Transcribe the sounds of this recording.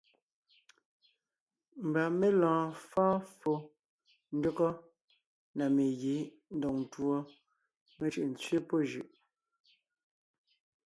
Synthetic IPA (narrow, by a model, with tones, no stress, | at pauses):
m̩˨ba˨me˦lɔ̃ː˨fãː˦fo˦ | n̩˦do˦kɔ˦ | na˨me˨ɣe˨˦ | n̩˦dɔ˨ŋn̩˨twɔ˦ | me˨t͡ʃʉ˨ʔn̩˨t͡sɥe˦po˦ʒʉ˨ʔ